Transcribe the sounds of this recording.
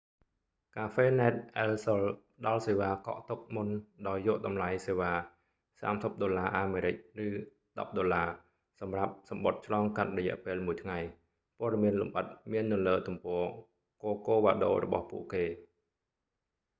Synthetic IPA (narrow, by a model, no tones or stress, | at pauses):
kaːfeːnaɛt̪̚ʔɛːlsol | ɗɑlseːʋaːkɑ̰ʔt̪uk̚munɗaɔjːɔəʔɗɑmlajseːʋaː | sa̰ːmsəp̚ɗolaːʔaːmeːɾɨc̚rɨː | ɗɑ̰p̚ɗolaː | sɑmrap̚sɑmɓot̪̚t͡ɕʰlɑːŋkat̪̚rɔjɛ̆əʔpeːlmuəjt̪ʰŋaj | pŏəɗɑmiənlṵmʔət̪̚miənːɨləːt̪umpɔː | koːkoːʋa̰ːɗo̰ːrɔ̰ɓɑ̰hpṵəʔkeː